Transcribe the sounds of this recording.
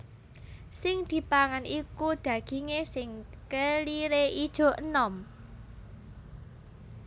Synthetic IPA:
sɪŋd̪̥i̤paŋanikud̪̥ä̤ɡ̥i̤ŋesɪŋkəliɾeid̥ʒ̥o̤ʔənɔm

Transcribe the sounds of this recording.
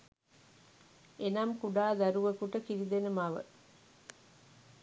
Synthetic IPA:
ʔenamkuɖaːd̪æɾuʋɐkuʈɐkiɾid̪enemaːʋə̰

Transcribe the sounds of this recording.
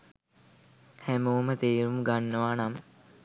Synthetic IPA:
hæməʋəmət̪eːɾumɡanːəʋaːnam

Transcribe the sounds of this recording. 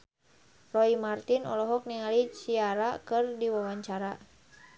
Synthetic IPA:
rɔimart̪inɔ̰lɔɦɔk̚niŋalit͡ʃiaɾakɨrdiwawaɲt͡ʃaɾa

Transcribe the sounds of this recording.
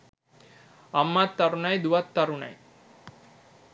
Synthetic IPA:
ɐmːat̪ːɐɾunɐjd̪uʋɐt̪ːɐɾuɳɐ̰j

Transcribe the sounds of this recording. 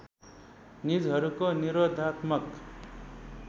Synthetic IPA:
nid͡zɦʌɾukoniɾod̪ʱat̪mʌk

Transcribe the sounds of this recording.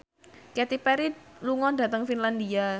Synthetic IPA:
kɛt̪ipɛɾiluŋɔda̤t̪əŋfinlandia

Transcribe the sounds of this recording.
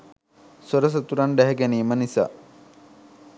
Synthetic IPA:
soɾəs̬ət̪uɾaɳɖæɦɛɡeniːmənisa̰ː

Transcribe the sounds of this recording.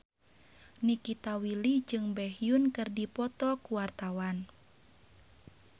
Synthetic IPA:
nikit̪awilid͡ʒɨŋbɛɦjunkɨrdipɔt̪ɔkuwart̪awan

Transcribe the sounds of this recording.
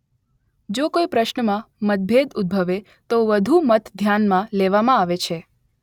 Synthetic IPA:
d͡ʒokoipɾəʃnəmãmət̪̚bʱed̪ʊd̪̚bʱəʋe | t̪oʋəd̪ʱumət̪d̪ʱjanmãleʋamãaʋet͡ʃʰe

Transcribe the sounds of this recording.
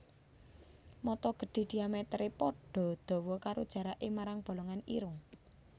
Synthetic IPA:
mɔt̪ɔɡ̥ə̤ɖ̥e̤d̪̥iamɛt̪ɾepɔɖ̥ɔ̤d̪̥ɔ̤wɔkaɾod̥ʒ̥ä̤ɾaʔemaɾaŋb̥o̤lɔŋanḭɾʊŋ

